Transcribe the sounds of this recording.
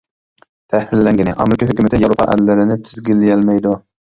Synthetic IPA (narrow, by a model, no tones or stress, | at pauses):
t̪ʰæhɪlːɛŋɡʲɪnɪ̰ʔɑ̰mɾɪkʰɑɦykʲymɪt̪ʰɪjaɾopʰɑ̰ʔæ̰lːɪɾɪnɪt̪ʰɪzɡʲɪlːɪjɛlmɛjd̪ʊ